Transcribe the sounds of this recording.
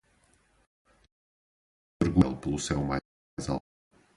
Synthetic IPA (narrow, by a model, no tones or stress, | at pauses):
pɨɾɣwɛlˠplˠusɛwma | jza̰